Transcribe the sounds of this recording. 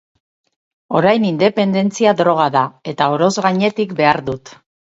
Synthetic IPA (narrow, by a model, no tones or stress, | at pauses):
o̞ɾajnind̪e̞pe̞nd̪e̞nt͡siaðɾo̞ɣ̞aðae̞t̪ao̞ɾo̞zɣaɲe̞t̪ikbe̞aɾðut̪